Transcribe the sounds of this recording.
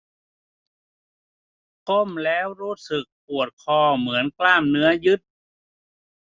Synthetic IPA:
ko˥˩mlɛː˦˥wɾuː˦˥sɯ˨˩k̚pu˨˩ət̪̚kʰɔː˧˩mɯ˩˦ənklaː˥˩mnɯ˦˥ɐjɯ˦˥t̪̚

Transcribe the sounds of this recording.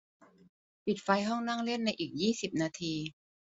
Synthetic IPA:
pi˨˩t̪̚fa˧jɦɔ˥˩ŋna˥˩ŋle˥˩ənːa˧jʔiː˨˩k̚jiː˥˩si˨˩p̚naː˧t̪ʰiː˧

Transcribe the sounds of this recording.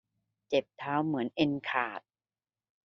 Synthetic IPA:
t͡ɕe˨˩p̚t̪ʰaː˦˥wmɯ˩˦ənʔe˧nkʰaː˨˩t̪̚

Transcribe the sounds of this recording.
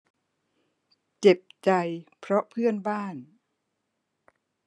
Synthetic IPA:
t͡ɕe˨˩p̚t͡ɕa˧jpʰɾɔ˦˥pʰɯ˥˩ənbaː˥˩n

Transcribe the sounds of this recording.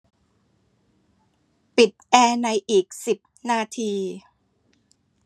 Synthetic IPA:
pi˨˩t̪̚ʔɛː˧na˧jʔiː˨˩k̚si˨˩p̚naː˧t̪ʰiː˧

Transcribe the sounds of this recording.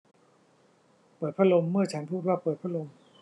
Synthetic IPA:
pɤː˨˩t̪̚pʰɾa˥lo˧mːɯ˥˩ɐt͡ɕʰa˦˥npʰuː˥˩t̪̚waː˥˩pɤː˨˩t̪̚pʰɾa˥lo˧m

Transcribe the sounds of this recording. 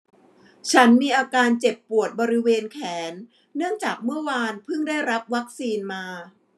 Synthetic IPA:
t͡ɕʰa˦˥nmiː˧ʔaː˧kaː˧nt͡ɕe˨˩pːu˨˩ət̪̚bɔː˧ɾi˦˥weː˧nkʰɛː˩˦nː | ɯ˥˩əŋt͡ɕaː˨˩k̚mɯ˥˩ɐwaː˧npʰɯ˥˩ŋdaː˥˩jɾa˦˥p̚wa˦˥k̚siː˧nmaː˧

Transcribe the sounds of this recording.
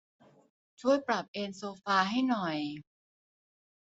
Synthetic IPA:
t͡ɕʰu˥˩əjpɾa˨˩p̚ʔeː˧nsoː˧faː˧ɦa˥˩jnɔ˨˩j

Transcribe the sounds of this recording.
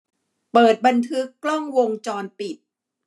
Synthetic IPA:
pɤː˨˩t̪̚ba˧nt̪ʰɯ˦˥kːlɔ˥˩ŋwo˧ŋt͡ɕɔː˧npi˨˩t̪̚

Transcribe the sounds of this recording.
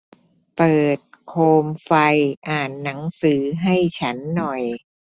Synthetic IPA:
pɤː˨˩t̪̚kʰoː˧mfa˧jʔaː˨˩nːa˩˦ŋsɯː˩˦ɦa˥˩jt͡ɕʰa˦˥nːɔ˨˩j

